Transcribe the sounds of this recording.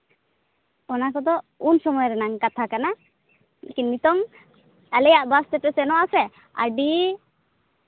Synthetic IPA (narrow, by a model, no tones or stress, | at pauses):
ɔnakɔd̪ɔunsɔmɔjɔɾɛnaŋkat̪ʰakana | lḛkinmit̪ɔŋ | alɛjaʔbast̪ɛpɛsɛnɔʔasɛ | a̰ɾɖi